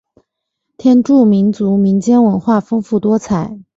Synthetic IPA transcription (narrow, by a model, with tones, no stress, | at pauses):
t̪ʰjɛ˥nʈ͡ʂu˥˩mi˧˥nt͡su˧˥mi˧˥nt͡ɕjɛ˥nwə˧˥nxwa˥˩fɤ˥ŋfu˥˩t̪wɔ˥t͡sʰa˨˩˦ɪ